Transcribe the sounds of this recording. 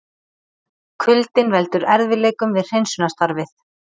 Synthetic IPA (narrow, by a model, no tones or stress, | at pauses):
kʰʏlt̪ɪnvɛlt̪ʏɾɛɾðvɪleːjkʏmvɪðr̥ejnsʏnast̪aɾvɪθ